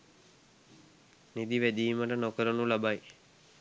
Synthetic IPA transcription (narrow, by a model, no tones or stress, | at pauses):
nid̪iʋæd̪iːməʈənokəɾənulabaj